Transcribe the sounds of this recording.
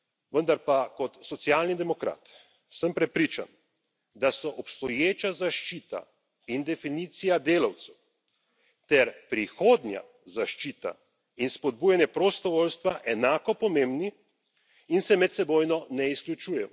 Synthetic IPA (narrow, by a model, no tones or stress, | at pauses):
ʋənd̪aɾpakɔt̪sɔt̪sijaːlnid̪ɛmɔkɾa̰ːt̪ | səmpɾɛpɾiːt͡ʃa̰n | d̪asɔʔɔpst̪ɔjeːt͡ʃazaʃt͡ʃiːt̪a̰ | ind̪ɛfiniːt̪sijad̪eːlawt̪sɛw | t̪ɛɾpɾixoːd̪nʲja̰ | zaʃt͡ʃit̪a̰ | inspɔd̪̚buːjanjɛpɾɔst̪ɔʋolst̪ʋaʔɛnaːkɔpɔmẽmbni | insɛmɛt̪sɛboːjnɔnɛisklʲut͡ʃuːjɛm